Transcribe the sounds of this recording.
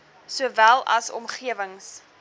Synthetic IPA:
suəvælˠɐsɔ̰mχiəvəŋs

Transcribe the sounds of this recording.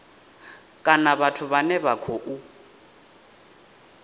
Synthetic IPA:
kʼanaβatʰʊβanɛβakʰoʔu

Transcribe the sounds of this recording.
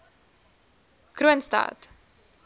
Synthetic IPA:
kɾuənstɑ̰ːt

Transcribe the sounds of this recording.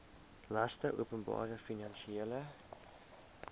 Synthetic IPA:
lɐstəʔṵəpənbɑ̰ːɾəfinɐnʃieːlə

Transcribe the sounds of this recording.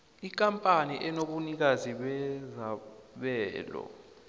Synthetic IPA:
ik̬ʼampʼaniʔɛnoɓunik̬aziɓɛzaɓɛːlɔ̰

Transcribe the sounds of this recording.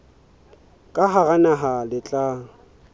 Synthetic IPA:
kʼaɦaɣanaɦalɪt͡ɬʼa

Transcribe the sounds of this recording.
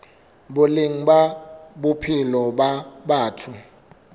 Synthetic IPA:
boliŋ̩ɓaɓopʰilɔɓaɓaːtʰu

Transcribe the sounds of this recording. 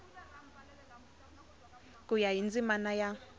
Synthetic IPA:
k̬ʼujajind͡zʼimanaja

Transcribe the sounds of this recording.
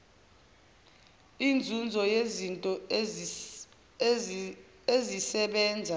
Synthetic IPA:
ind͡zʱund͡zʱɔjezintʼɔ | ezisɛɓɛːnd͡zʱa

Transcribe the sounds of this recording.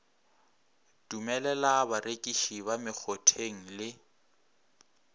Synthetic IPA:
d̥umɛlɛlabaɾekʼiʃiβamɪk͡xʰɔtʰeŋ̩lɪ

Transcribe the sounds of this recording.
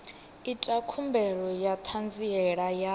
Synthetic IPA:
itʼakʰumbɛɺɔjat̪ʰand͡ziɛɺaja

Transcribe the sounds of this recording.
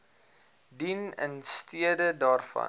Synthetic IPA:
dinə̰nstiədədɑːrfɐ̰

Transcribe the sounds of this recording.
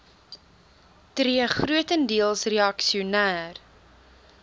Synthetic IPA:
triəχruətəndiəlˠsreɐksiunæːr

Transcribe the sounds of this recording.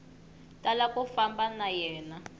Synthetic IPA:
talakʼufambanajɛːna

